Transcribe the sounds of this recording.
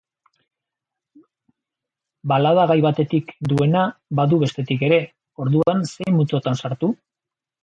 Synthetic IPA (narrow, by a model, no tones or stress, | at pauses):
balað̞aɣajβat̪e̞t̪ikd̪ue̞naβaðuβe̞st̪e̞t̪ike̞ɾe̞ | o̞ɾðuanse̞jmut͡s̪o̞t̪ansaɾt̪u